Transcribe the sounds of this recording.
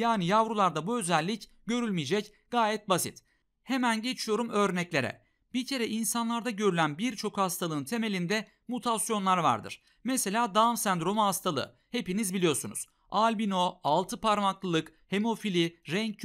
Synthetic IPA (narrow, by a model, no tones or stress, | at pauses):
jaːnijavɾulˠaɾd̪abuø̞zælʲːic | ɟ̥ø̞ɾylʲmijed͡ʒɛc | ɡ̥aːjɛt̪̚basḭt̪ | he̞mænɟe̞t͡ʃʰijo̞ɾumø̞ɾnɛclʲe̞ɾɛ̰ | b̥icʰe̞ɾɛʔinsanlˠaɾd̪aɟø̞ɾylʲænbiɾt͡ʃʰo̞khast̪ʰalˠɯːnt̪ʰe̞me̞lʲind̪ɛ | mut̪ʰasjo̞nlˠaɾva̰ɾd̪ɯ̰ɾ̥ | mese̞lʲaːd̪amsænd̪ɾo̞muhast̪ʰalˠɯ̰ | he̞pinizbilʲijo̞ɾsunṵz̥ | alʲbino̞alˠt̪ʰɯpʰaɾmaklˠɯlˠɯk | he̞mo̞filʲiɾɛɲc̚